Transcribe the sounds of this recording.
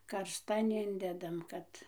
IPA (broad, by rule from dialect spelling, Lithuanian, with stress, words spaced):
kɐrsˈtɐn ˈɪnʲdʲɛdɐm ˈkɐt